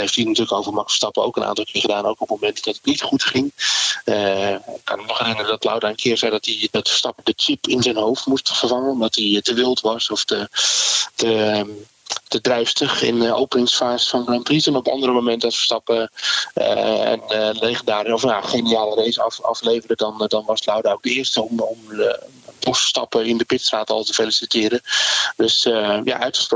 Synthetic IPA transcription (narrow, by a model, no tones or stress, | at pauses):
hejfthinatyːləkowvərmɑkfə̥stɑpəo̰wkənʔa̰ːntɑlˠkɪːrχədaːnowkɔpmomɛntdɑtətnitχutχɪŋəkʰɑnənɔχrɪnərdɔtla̰wdaənkʰɪːrzɛjdɔtidɔtfə̥stɑpədət͡ʃɪpɪnzɛjnɦowftmustfərvɑŋənɔmdɑtitəʋɪlˠtʋɑsɔftə | tə | tədrɛɥfstəχɪ̰no̰wpənɪŋsfaːzəfɑnɡrɑmpisɛnɔpɑ̰ndərəmomɛntɔsfə̥stɑpə | ɛ̰nlejχəndaːrɔfnaχejniaːlərejsɑ̰fɑ̰flejvərədɑndɑnʋɑsnawdaowk̚dəɪərstəmɔm | ɔsfə̥stɑ̰pəɪndəpɪtstraːtɑlˠtəfelisitɪːɾədøsja̰ʔœɥtχə̥sp